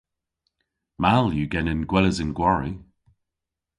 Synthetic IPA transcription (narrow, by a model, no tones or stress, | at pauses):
malˠjəɡɛnɪ̃nɡ̥wɛləzɪnɡwaɹi